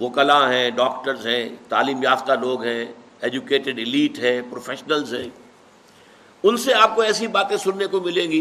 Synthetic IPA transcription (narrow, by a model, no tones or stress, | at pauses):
ʋoːkɐlãɦɛ̃ːɖɔːkʈəɾzɦɛ̃ːt̪aːliːmjaːft̪aloːɡɦɛ̃ː | eːd͡ʒukeːʈɪɖɪliːʈɦɛ̃ːpɾoːfʰɛːʃnəlzɦɛ̃ː | ʊnseaːp̚koɛːsibaːt̪ẽsʊnːekomɪlẽːɡiː